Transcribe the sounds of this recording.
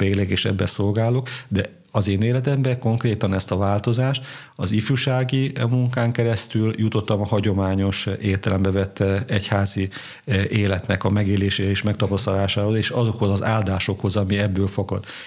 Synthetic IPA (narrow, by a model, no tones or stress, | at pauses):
peːlɛɡeːʃɛ̰bːɛso̞lɡaːlokd̪ɛ | ɒzeːneːlɛt̪ɛmbɛko̞ŋkreːt̪ɒnɛst̪ɒvaːlt̪o̞zaːʃt̪ | ɒzifjuʃaːɡimuŋkaːŋkɛɾɛst̪yljut̪o̞t̪ːɒmɒhɒɟo̞maːɲo̞ʃeːrt̪ɛlɛmbɛvɛt̪ːɛchaːzi | ʔeːlɛt̪nɛkɒmɛɡeːleːʃeːɾɛeːʃmɛkt̪ɒpɒst̪ɒlaːʃaːɦozeːʃɒzo̞kho̞zɒzaːld̪aːʃo̞kho̞zɒmiɛbːøːlfoɡɒ̰t̪